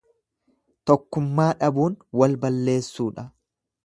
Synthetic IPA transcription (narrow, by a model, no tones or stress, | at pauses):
t̪ɔkːʊmːaːᶑɐbuːnwɐlbɐlːe̞ːsːuːᶑɐ